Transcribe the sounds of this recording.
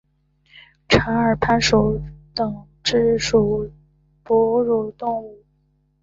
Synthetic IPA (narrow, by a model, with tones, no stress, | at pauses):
ʈ͡ʂʰa˧˥nə˞˨˩pʰa˥˩nʂo˧˥ʊt̪ɤ˨˩ŋ | ʈ͡ʂɻ̩˥ʂu˨˩ʊ | pɔ˧˥ɻu˥˩t̪ʊ˥˧ŋu˥˩